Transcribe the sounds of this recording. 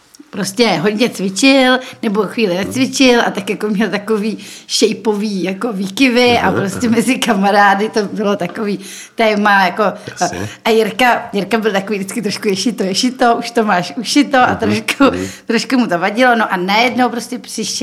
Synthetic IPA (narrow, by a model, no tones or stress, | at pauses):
pɾoscɛɦod̪ɲɛt͡svɪt͡ʃɪlnɛbo̞xviːlɪnɛt͡svɪt͡ʃɪlʔa̰t̪akjakomɲɛlt̪akoviːʃɛjpoviːjako̞viːkɪvɪʔapɾoscʲɛmɛzɪkamaɾaːdɪt̪obɪlo̞t̪akoviː | t̪ɛːmajako̞ | ʔajɪɾkajɪɾkabɪlt̪ako̞viːdɪt͡skɪt̪ɾoʃkujɛʃɪt̪ojɛʃɪt̪oʔuʃt̪omaːʃuʃɪt̪oʔat̪ɾoʃkʰut̪ɾoʃkumut̪o̞vaɟɪlo̞noʔanajɛdnowpɾoscɛpr̥ɪʃ